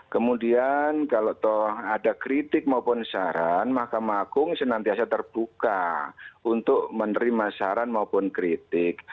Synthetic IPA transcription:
kəmudiankaloʔt̪ɔhadakɾit̪ɪk̚maupʊnsaɾanmahkamaɡʊŋsənant̪iasat̪ərb̥uka̰unt̪ʊʔ̚mənəɾimasaɾanmaupʊnkɾit̪ɪk̚

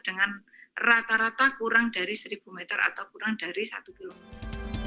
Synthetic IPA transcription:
d̥əŋan | rat̪aɾat̪akuɾaŋda̤ɾisəɾib̥ṳmɛt̪əɾa̰t̪awkuɾaŋd̥a̤ɾisa̰t̪ukilomet̪

